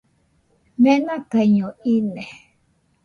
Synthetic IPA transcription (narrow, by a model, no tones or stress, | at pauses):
mɛ̃nãkaɲõine